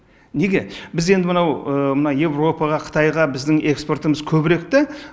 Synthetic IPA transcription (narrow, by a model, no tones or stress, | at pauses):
neɡʲe̞bɪze̞nd̪ɪmənɑwəmənɑje̞vro̞pɑʁɑqʰə̥t̪ʰɑjʁɑbɪzd̪ɪŋe̞kspo̞rt̪əməzkʲʰɵbɪɾe̞k̚t̪ɪ